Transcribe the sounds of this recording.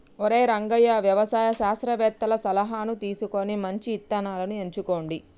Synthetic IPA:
oɾe̞ːɾɐŋɡɐjaʋjɐʋɐsaːjɐʃaːsɾɐʋɛːt̪ːɐlɐsɐlɐɦaːnut̪iːsuko̞nimɐɲt͡ʃiːt̪ːɐnaːlɐnue̞ɲt͡ʃuko̞ːɳɖi

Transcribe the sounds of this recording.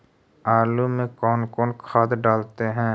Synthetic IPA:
aːlumẽkɔːnkɔːnkʰaːd̪ɖaːlt̪eɦɛ̃ː

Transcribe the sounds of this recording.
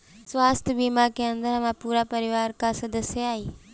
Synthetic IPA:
sʋaːst̪ʰbiːmaːkeə̃nd̪əɾɦʋãpuːɾapɐɾɪʋaːɾkãsəd̪əsjaːiː

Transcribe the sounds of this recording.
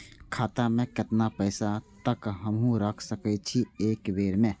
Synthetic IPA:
kʰaːt̪amẽkɪt̪napəɪsat̪əkɦəmɦũɾəkʰsəkɛt͡ʃʰieːkbeːɾmẽ

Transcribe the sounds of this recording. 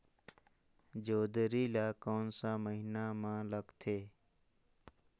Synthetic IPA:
d͡ʒoːd̪ɾiːlaːkoːnsaːməɦinaːmãːləɡt̪ʰeː

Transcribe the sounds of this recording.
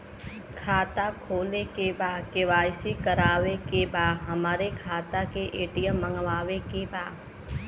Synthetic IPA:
kʰaːt̪akʰoːlekebaːkeʋaːjsikəɾaːʋekebaːɦəmaːɾekʰaːt̪akeʔeːʈɪjəmːəŋɡʋaːʋekebaː

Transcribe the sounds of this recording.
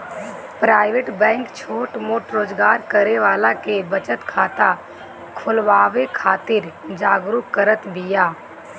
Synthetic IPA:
pɾaːɪʋeːʈbɛ̃ːŋkt͡ʃʰoːʈmoːʈɾoːd͡ʒɡaːɾkəɾeʋaːlakebət͡ʃət̪kʰaːt̪a | kʰʊlʋaːʋekʰaːt̪ɪɾd͡ʒaːɡɾukːəɾət̪bɪjaː

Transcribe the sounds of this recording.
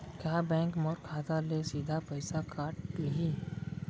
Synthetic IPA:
kjaːbɛ̃ːŋkmɔɾkʰaːt̪alesiːd̪ʱapɐɪsakaːʈkiɦi

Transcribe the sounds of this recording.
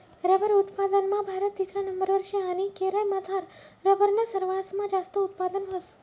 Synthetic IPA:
ɾəbəɾut̪pad̪ənmãbʱaɾət̪t͡ʃisɾanəmbəɾʋəɾʃeanikeɾajmãd͡zʱaɾːəbəɾnəsəɾʋasmãd͡ʒast̪əut̪pad̪ənɦəs

